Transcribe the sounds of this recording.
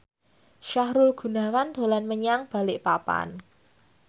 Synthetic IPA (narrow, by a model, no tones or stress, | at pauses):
ʃahɾulɡ̥ṳna̤wand̪̥o̤lanməɲaŋb̥a̤lɪʔpapa̰n